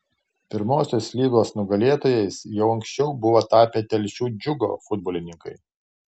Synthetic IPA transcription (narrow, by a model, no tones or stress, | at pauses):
pʲɪɾmoːsʲoːslʲiːɡoːsnʊɡɐlʲeːt̪oːjɛɪsjɛʊɐŋʲksʲt͡ʃʲɛʊbʊʋɐt̪ɑːpʲeːt̪ʲɛlʲʃʲuːd͡ʒʲʊɡo̰ːfʊd̪boɔːlʲɪnʲɪŋkɐɪ